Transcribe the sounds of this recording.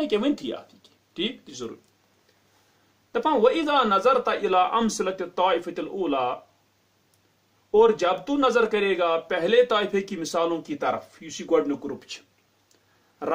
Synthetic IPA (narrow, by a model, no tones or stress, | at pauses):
ĩkeʋɐnt̪ʰija̰ːt̪ʰiːki̥ | ʈʰiːkt̪izɐɾṵːɾi | t̪ɐpãːʋɐʔɪzaːnɐzɐɾt̪ɐʔɪlaːʔɐmsɪlɐt̪it̪ːaːɪfɐt̪ɪlʔuːlaː | oːɾd͡ʒɐbt̪uːnɐzɐɾkɐɾeːɡaːpɛɦlet̪aːɪfʰeːkimɪsaːlõːkit̪ɐɾəfjusiːɡoɖnoɡɾupt͡ʃʰ | ɾ